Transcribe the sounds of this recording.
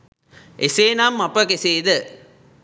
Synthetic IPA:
eseːnaːmːɐpːɐkeseːd̪ɐ

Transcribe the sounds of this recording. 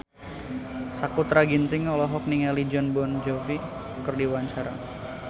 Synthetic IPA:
sakut̪ɾaɡint̪ɪŋɔlɔɦɔk̚niŋɛlid͡ʒɔnbɔnd͡ʒɔfi | kərdiwaɲt͡ʃaɾa̰

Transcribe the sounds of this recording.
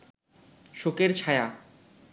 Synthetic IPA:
ʃokeɾt͡ɕʰaeja

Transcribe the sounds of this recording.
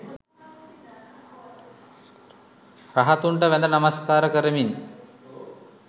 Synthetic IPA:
raɦat̪uɳʈəʋæd̪ənamaskaːɾəkəɾəmin

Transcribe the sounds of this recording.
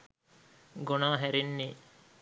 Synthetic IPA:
ɡonaːɦæɾenːiː

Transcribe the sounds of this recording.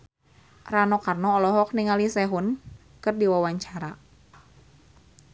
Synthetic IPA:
ranɔkarnɔːlɔɦɔk̚niŋalisɛɦun | kɨrdiwawaɲt͡ʃaɾa

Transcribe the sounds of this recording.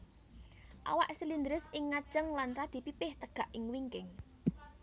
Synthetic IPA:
ʔa̰waʔsilind̪ɾɪsɪŋːḁt͡ʃəŋlanrad̪̥i̤pipɪht̪əɡ̥a̤ʔɪŋwiŋkɪŋ

